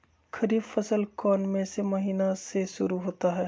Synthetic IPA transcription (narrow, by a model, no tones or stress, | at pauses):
xʰɐɾiːbfɐsəlkɔːnmẽsemɐɦiːnaseʃʊɾuɦoːt̪aɦɛː